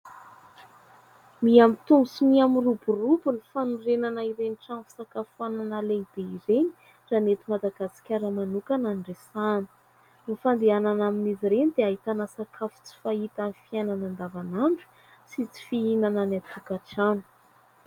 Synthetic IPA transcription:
miamit̪umusimiamiruburubulifanurenanaiɾeniʈ͡ʂanfi̥sakafuananaleid̪̥eiɾeni̥ | ranet̪imad̪aɡasi̥kʲaɾəmanukananɖ͡ʐesanə̥ | nifand̪eananaminiziɾenid̪eaɦit̪anasakʰafu̥t͡si̥fait̪anifiajnanand̪avanaɳɖ͡ʐu̥ | sit͡si̥fiinananat̪ukaʈ͡ʂanu̥

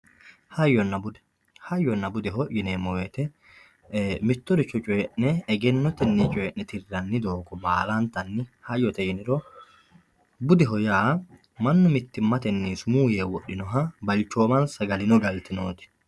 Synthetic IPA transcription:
hɐjːɔnːɐbʊd̪ɛ̥ | hɐjːɔnːɐbʊd̪ɛɦɔʔjɪneːmːɔwɛt̪ɛ | mɪt̪ːɔd̪ɪt͡ʃːɔt͡ʃʼʊɛʔnɛːɡɛnːɔt̪ɛnːɛt͡ʃʼʊɛʔnɛt̪ɪrːɐnːɪd̪oːkɔbaːlant̪ɐnːɪhɐjːɔt̪ɛjnɪɾɔ | bʊd̪ɛɦɔjaː | mɐnːʊmɪt̪ːɪmːɐt̪ɛnːiːsʊmuːjeːwɔɗːɪnɔɦɐbɐlt͡ʃːo̞ːmɐnsɐɡɐlɪnɔɡɐlt̪ɪnoːt̪ɪ̥

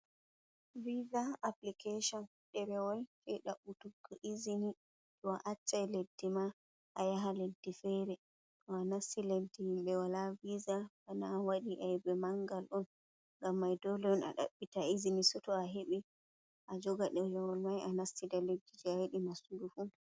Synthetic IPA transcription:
vizaʔaplikeʃɔn | ɗɛɾɛwɔlfɛɗaɓːutuɡɔʔizini | ɗɔʔat͡ʃːajledːima | ʔajaɦaledːifɛɾɛ | tɔanasːiledːihimɓɛwalavizabanawaɗiʔaɛbɛmaŋɡalɔn | ŋɡamːajdɔlɛɔna̰ɗa̰ɓːitaizinisɔtɔaɦeɓi | ʔad͡ʒɔɡaɗɛjɛwɔlmajanasːidaledːid͡ʒɛaheɗimasudufu

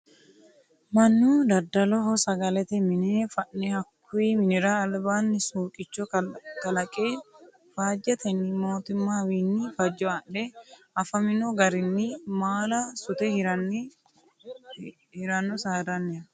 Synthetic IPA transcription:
mɐnːuːd̪ɐd̪ːɐlɔɦɔsɐɡɐlɛt̪ɛmɪnefɐʔːɛhɐkʰːʊiːmɪnɪɾaːlbaːnːɪsuːkʼɪt͡ʃːɔkɐlɐkʼeː | faːd͡ʒɐt̪ɐnimo̞ːt̪ʊmːaːwiːnːɪfɐd͡ʒːɔɐᶑɛʔɐfɐmɪnoɡɐɾɪnːɪmaːlɐsʊt̪ɛhɐ | hɪɾɐnːɔsaːd̪ɐnːɛ

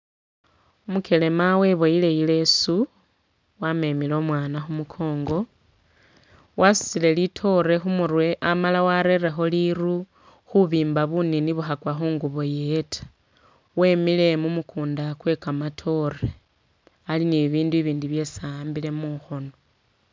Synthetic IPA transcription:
umuke̞le̞mawe̞βo̞ile̞jile̞su | wame̞milo̞mwaːnaxumukʰo̞ːŋɡo̞ | wʔasi̥sile̞litʰo̞ɾe̞xumuɾwe̞ʔamalawaɾe̞ɾexo̞liru | xuβiːmbaβuniniβuxakwaxuːŋɡuβo̞je̞tʰḁ | we̞ːmile̞mumukʰuːndakwe̞kamatʰo̞re | aliniβiːnduiβiːndiβje̞sambile̞muxo̞no

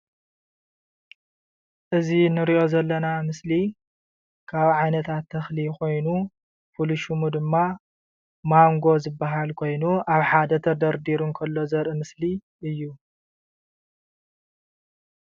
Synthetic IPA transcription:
ʔɨzinɨɾiʔo̞zɐlːɐnamɨsli | kʰaβʕajnɐt̪ʰat̪ʰːɐxlikʰo̞jnu | fuluʃumud̪ɨmːa | maŋɡo̞zɨbːaɦalkʰo̞jnuʔaβħad̪ɐt̪ʰɐd̪ɐɾd̪iɾunkʰɐlːo̞zɐɾʔɨmɨsli | ʔɨjːu

